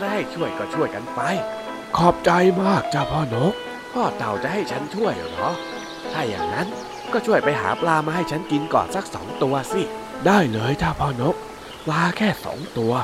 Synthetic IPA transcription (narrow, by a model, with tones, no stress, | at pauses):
t̪ʰaː˥˩ha˥˩jt͡ɕʰu˥˩əjkɔː˥˩t͡ɕʰu˥˩əjka˧npa˧j | kʰɔː˨˩p̚t͡ɕa˧jmaː˥˩k̚t͡ɕaː˧˩pʰɔː˧˩no˦˥k̚ | pʰɔː˧˥˩t̪a˨˩wt͡ɕa̰˨ʔha˥˩jt͡ɕʰa˦˥nt͡ɕʰu˥˩əj̰nɔ˨˦˥ | t̪ʰaː˧˩ja̰ː˨˩ŋna˦˥n | kɔː˥˩t͡ɕʰu˥˩əjpa˧jɦa̰ː˩˦plaː˧maː˧ha˥˩jt͡ɕʰa˦˥nki˧nkɔ̰ː˨˩nsa˦˥˩k̚sɔ̰ː˨˩˦ŋt̪u˧ɐsi˧˩ | daː˥˩jlɤː˧jt̪ʰaː˧˩pʰɔː˧˩no˦˥k̚ | pʰlaː˧kʰɛː˥˩sɔ̰ː˨˩˦ŋt̪u˧ɐ